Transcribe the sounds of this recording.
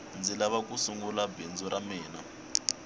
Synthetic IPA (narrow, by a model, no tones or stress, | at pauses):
nd͡zilaβakusuŋɡulabend͡zuɾʔamɛːna